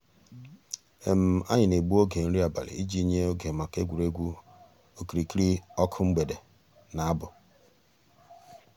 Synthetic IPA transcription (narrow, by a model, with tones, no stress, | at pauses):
e˨m̩˨a˦ɲɪ˨ne˨ɡ͡bu˦o˦ɡe˨n̩˦ɾi˦a˨ba̰˨lḛ˨i˦d͡ʒi˦ɲe˦o˦ɡe˨ma˨ke˦ɡʷu˨ɾe˦ɡʷu˦ | o˦ki˨ɾi˨ki˦ɾi˦ɔ˦kʰʊ˦ŋ͡m̩˦ɡ͡be˨de˨ | na˨a˦bʊ˨